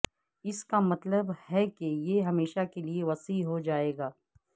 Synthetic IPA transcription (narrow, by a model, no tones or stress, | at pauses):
ɪskamɐt̪ləbhɛkejeɦɐmeːʃakelieʋɐsiɦod͡ʒaːeːɡaː